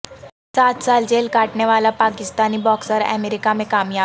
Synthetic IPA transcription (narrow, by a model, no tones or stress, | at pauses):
sat̪sald͡ʑelkaʈɳeʋalapakist̪aniːbɔksəɾɛ̰meɾikamekamja